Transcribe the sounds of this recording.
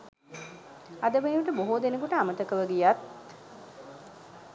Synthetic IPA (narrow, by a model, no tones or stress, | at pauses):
ad̪əʋeʋəʈəboɦud̪enəkuʈəamət̪əkəʋəɡijat̪